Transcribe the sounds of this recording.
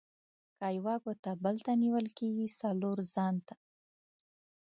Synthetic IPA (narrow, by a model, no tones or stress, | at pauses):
kɑjwɑɡot̪abəlt̪aniwəlkeɡisaloɾzɑnt̪ḁ